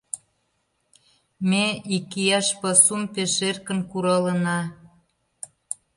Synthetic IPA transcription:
meikijɑʃpɤsumpeʃerkə̆nkuɾɑlənɑ

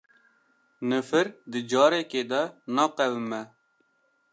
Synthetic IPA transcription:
nɨfɨɾd̪ɨd͡ʒɑːɾɛkeːd̪ɛnɑːqɛvɨmɛ

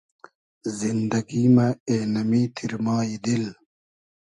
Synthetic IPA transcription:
zind̪ɐɡiːmaeːnɐmiːt̪ʰiɾmaːid̪il

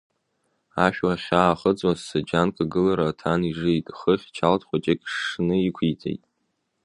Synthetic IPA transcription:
aʃᶣwaχʲaːχəd͡zwazsad͡ʒankʰʼaɡɨlaɾatʰaniʐɨjtʼχəχʲt͡ʃʰaltʰχʷat͡ʃʼekʲʼʂnɨikʷʰitʰʼḛjtʼ

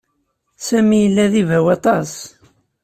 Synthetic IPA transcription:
sæmijəlːæðivæwɑt̪ˤɑs

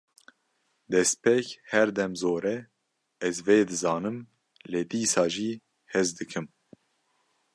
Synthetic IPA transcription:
d̪ɛspekhɛɾd̪ɛmzoːɾɛ | ɛzveːd̪ɨzɑːnɨm | leːd̪iːsɑːʒiː | hɛzd̪ɨkʰɨm

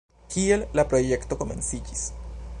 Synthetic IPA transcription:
kielːapɾoʝekt̪okomḛ̃nsicis

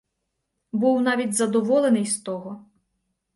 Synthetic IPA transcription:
buwnɑʋʲidʲzɐd̪ɔʋɔlˠenɪjst̪ɔɦɔ

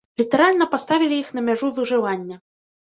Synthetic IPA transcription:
lʲit̪ɛɾalʲnɐpast̪avʲilʲijixn̪ɐmʲaʐuvɨʐɨvanʲːɐ

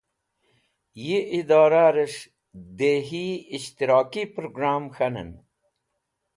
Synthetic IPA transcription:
jiʔid̪aːɾaɾeʂ | d̪eːɦiiɕt̪iɾaːkipɾoɡɾaːmxɐnə̰n

